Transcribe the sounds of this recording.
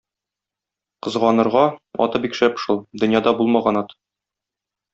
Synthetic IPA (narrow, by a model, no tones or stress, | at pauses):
qɤ̆zʁɑnɤ̆ɾʁɑɒ̰t̪ɤbikʃæpʃulˠd̪ɵ̆njɑd̪ɑbulˠmɑʁɑnɒt̪